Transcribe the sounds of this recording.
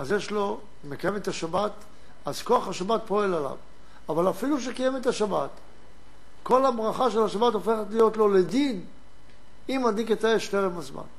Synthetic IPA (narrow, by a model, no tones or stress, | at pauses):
azjeʃlo̞ | mekajemet̪aʃabat̪ | az̥ko̞aχhaʃabat̪̚po̞elala̰v | avalafiluʃ̬ekajemet̪aʃabat̪ | ko̞labʁaχaʃelaʃabat̪ofe̞χet̪lijo̞tlo̞ledin | imadiketaeʃteʁemazma̰n